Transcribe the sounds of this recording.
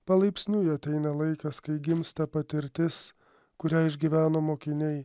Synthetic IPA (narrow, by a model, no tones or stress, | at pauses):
pɐlˠɐɪpʲsʲnʲuːjɐt̪ʲɛɪnɐlˠɐɪkɐskɐɪɡʲɪmst̪ɐpɐt̪ʲɪɾʲt̪ʲɪs | kʊɾʲæːɪʒʲɡʲiʋʲæːnoːmoːkʲɪnʲɛɪ